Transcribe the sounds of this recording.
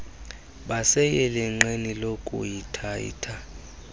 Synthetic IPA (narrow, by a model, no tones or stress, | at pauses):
ɓasɛjɛlɛŋ͡ǁenilokʼṵjitʰajḭtʰa